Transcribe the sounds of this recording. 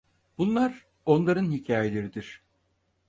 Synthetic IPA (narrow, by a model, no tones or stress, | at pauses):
b̥unlˠaɾ | o̞nlˠaɾɯnhicʰaːjelʲe̞ɾid̪iɾ̥